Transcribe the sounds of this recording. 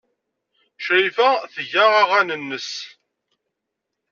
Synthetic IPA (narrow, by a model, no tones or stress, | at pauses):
ʃɾifæθəʝaʁaʁænənːəs